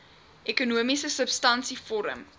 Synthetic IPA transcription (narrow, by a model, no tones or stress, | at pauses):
ʔɛkunuəmisəsəpstɐnsifɔɾə̰m